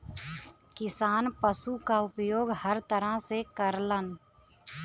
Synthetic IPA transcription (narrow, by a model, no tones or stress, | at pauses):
kɪsaːnpəsukaʊpjoːɡhəɾt̪əɾəɦsekəɾlən